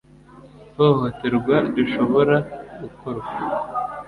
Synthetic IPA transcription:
toːhoteɾɡwaduʃo̞βo̞ɾaɡukoɾɡa

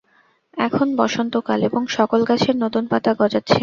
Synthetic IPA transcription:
ɛkʰonbɔʃont̪okaleboŋʃɔkolɡat͡ɕʰeɾnot̪unpat̪aɡɔd͡ʑatːɕʰe

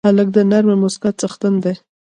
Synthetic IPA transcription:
alək̚d̪ənaɾmemʊskat̪̚t͡saxt̪and̪aj

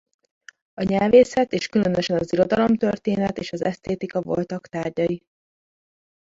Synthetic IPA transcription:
ɒɲɛlveːsɛt̪eːʃkylø̞nøʃɛnɒziɾo̞d̪ɒlo̞mt̪ø̞rt̪eːnɛt̪eːʃɒzɛ̰st̪eːt̪ikɒvo̞lt̪ɒkt̪aːrɟɒji

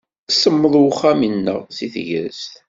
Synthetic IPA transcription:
səmːəðˤwχːæminːə̰ʁsiθʝə̰ɾst̪

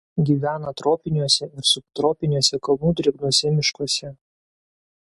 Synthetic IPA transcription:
ɡʲiːʋʲæːnɐt̪ɾoːpʲɪnʲuɔsʲɛɪɾsʊp̚t̪ɾoːpʲɪnʲuɔsʲɛkɐlˠnuːd̪ʲɾʲɪɡnuɔsʲɛmʲɪʃkoɔsʲɛ

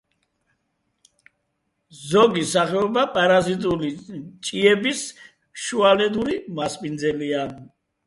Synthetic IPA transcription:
zɔɡisaχɛɔbapʼaɾazit̪ʼulit͡ʃʼiɛbis | ʃualɛd̪uɾimasmind̪zɛlia

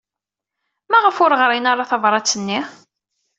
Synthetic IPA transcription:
mæʁəfʊɾʁɾˤinaɾˤɑθɑvɾˤɑt͡sːənːi

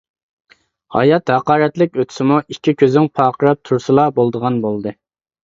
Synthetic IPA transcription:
hɑ̰jɑt̪hɑqɑːɾɛt̪lɪkʲøt̪ʰɪ̥sɪmuʔikʲʰːikʲʰøzɪŋpʰɑːqʰəɾɑp̚t̪ʰuɾsɨlˠɑbolˠd̪əʁɑnbolˠd̪ɨ

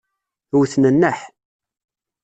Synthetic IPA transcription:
wθnənːəħ

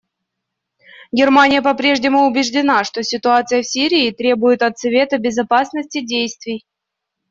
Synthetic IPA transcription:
ɡʲɪrmanʲɪjəpɐpɾʲe̞ʐnʲɪmʊʊbʲɪʐdʲɪnaʂt̪o̞sʲɪt̪ʊat̪sɨjəfsʲiɾʲɪːt̪ɾʲe̞bʊjɪt̪ɐt̪svʲe̞t̪əbʲɪzɐpasnəsʲtʲɪdʲejst̪vʲɪj

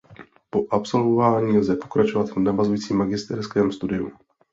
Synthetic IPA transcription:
po̞ʔapso̞lvovaːɲiːlzɛpo̞̥kɾat͡ʃo̞vat̪vnavazujiːt͡siːmːaɡɪst̪ɛɾskɛːmst̪udɪṵ

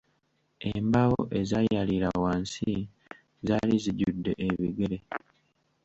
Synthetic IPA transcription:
embaɣo̰ʔe̞zajaliɾawaːnsi | zaːliziɟudːe̞ʔeβiɡeɾe

